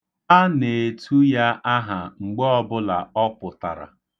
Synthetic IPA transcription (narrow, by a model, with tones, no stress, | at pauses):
a˦ne˨e˨tʰu˦ja˦ʔa˦ɦa˨ŋ͡m̩˨ɡ͡bɔ˦bʊ˦la˨ɔ˦pʊ˨ta˨ɾa̰˨